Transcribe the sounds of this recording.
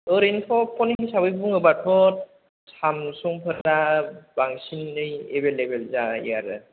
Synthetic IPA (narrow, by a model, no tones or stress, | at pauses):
ɯɾenpʰɔpʰɔniɦisabɯjbuŋɯbatʰɔt̚ | samsɔŋpʰɯɾabaŋsinɯjḛbelebelzaḭjaɾɯ̰